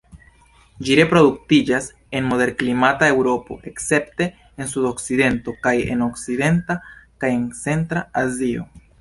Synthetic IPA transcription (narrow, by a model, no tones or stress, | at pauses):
d͡ʒiɾe̞pɾo̞duk̚tid͡ʒas | e̞nmo̞de̞ɾklimatae̞wɾo̞po̞̰ʔe̞kse̞pte̞ː | nsudo̞kside̞nto̞kaje̞̰no̞kside̞ntakaje̞nt͡se̞ntɾaazio̞̰